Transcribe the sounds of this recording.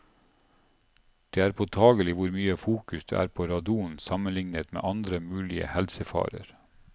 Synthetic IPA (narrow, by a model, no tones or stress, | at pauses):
d̪̥eːæːɾpʰot̪ʰɑːɡəlɪʋʊɾmyːəfuːkʉsd̪ḛːʔæ̰ːɾpʰoːɾɑd̪uːnsɑmənlɪŋnət̪mḛːʔɑnd̪ɾəmʉːlɪə̰hɛlsəfɑ̰ːɾə̰ɾ